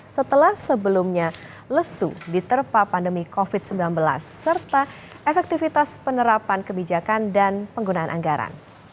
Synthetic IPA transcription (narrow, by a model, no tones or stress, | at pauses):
sət̪əlahsəbəlumɲa | ləsṵdit̪ərpapandəmikofɪt̪̚səmbilanbəla̰sːərt̪a | ʔefɛk̚t̪ifit̪aspənəɾapankəbid͡ʒakandanpəŋɡunaanʔa̰ŋɡaɾa̰n